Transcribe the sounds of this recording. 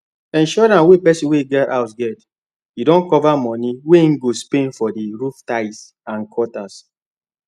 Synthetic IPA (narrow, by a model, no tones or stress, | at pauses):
ɛ̃nʃɔɾãnwepɛsĩweiɡɛta̰ʊsɡɛt | idɔ̃nkɔvamɔniwen̩ɡospẽnfɔdiɾuftaɪs | ãnkʰɔtas